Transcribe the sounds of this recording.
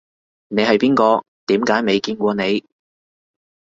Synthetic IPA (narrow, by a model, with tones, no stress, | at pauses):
ne˨˧jhɐ˨jpiː˥nkɔː˧ | t̪iː˨˥mkaː˨˥jme˨˧jkiː˧nkʷɔː˧ne˨˧j